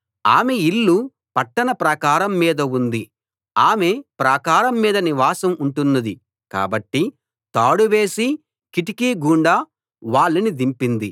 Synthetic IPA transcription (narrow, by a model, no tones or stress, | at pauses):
aːmeilːu | pɐʈːɐnɐpɾɐkaːɾɐmːiːd̪ɐund̪i | aːmepɾɐkaːɾɐmːiːd̪ɐniʋaːsɐmuɳʈunːɐd̪i | ka̰ːbɐʈːi | t̪aːɽuʋe̞ːsi | kiʈikiːɡuːɳɖaː | ʋaːɭːɐnid̪impind̪i